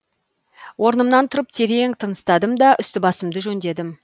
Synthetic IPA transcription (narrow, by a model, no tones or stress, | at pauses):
wʔo̞ɾnəmnɑnt̪ʰʊɾəp̚t̪ʰeɾeŋt̪ʰənəst̪ɑd̪əmd̪ɑʔʏst̪ɪbɑsəmd̪əʒɵnd̪e̞d̪ɪm